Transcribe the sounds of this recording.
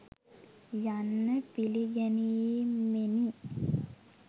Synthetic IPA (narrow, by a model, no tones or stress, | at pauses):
janːəpiliɡɛniemeni